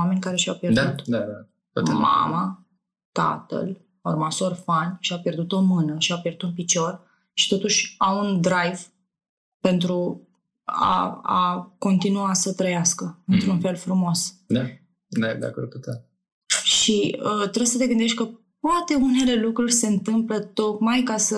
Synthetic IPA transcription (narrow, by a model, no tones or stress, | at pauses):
ame̞nʲkaɾe̞ʃiawpje̞d̪aut̪d̪ad̪a | t̪ma̰ma | t̪a̰t̪ə̰l | ormaso̞rfanʲʃiawpje̞rd̪ut̪o̞mɨnəʃiawpjerd̪ut̪unpit͡ʃo̞r | ʃi̥t̪o̞t̪uʃʲamund̪ɾajv | pe̞nt̪ɾu | a̰a̰ko̞nt̪inuasət̪ɾəjaskəɨnt̪ɾunfe̞lfɾumo̞sd̪a | d̪ad̪a̰kor̚kut̪e | ʃiət̪ɾejsət̪e̞ɡɨnd̪e̞ʃt̪̚ʲkə | poat̪e̞une̞le̞lukɾurʲse̞ɨnt̪ɨmplət̪o̞kmajkasə